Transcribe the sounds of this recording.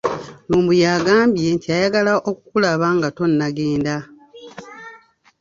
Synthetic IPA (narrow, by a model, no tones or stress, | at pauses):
luːmbujaːɡaːmbije̞ntiajaɡalaʔokukulaβaŋɡato̞nːaɡeːnda